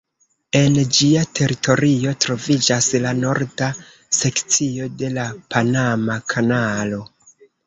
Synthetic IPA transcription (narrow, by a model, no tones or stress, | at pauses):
e̞nd͡ʒiatʰe̞ɾitʰo̞ɾio̞tɾo̞vid͡ʒaslano̞ɾda | se̞kt͡sio̞de̞lapʰanamakʰanalo̞